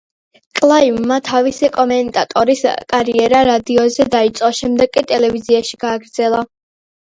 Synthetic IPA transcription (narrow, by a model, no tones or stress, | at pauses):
kʼlˠaiumːat̪ʰavisikʼɔmɛnt̪ʼat̪ʼɔɾiskʼaɾiɛɾaɾad̪iɔzɛd̪ait̪sʼqʼɔʃɛmd̪ɛɡ̚kʼit̪ʼɛlɛviziaʃiɡ̥aːɡɾd̪z̥ɛlˠa